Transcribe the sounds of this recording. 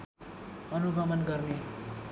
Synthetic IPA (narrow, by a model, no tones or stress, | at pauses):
ʌnuɡʌmʌnɡʌrne